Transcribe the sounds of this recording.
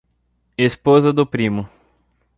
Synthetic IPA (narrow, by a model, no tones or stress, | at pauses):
espozɐd̪ʊpɾĩmʊ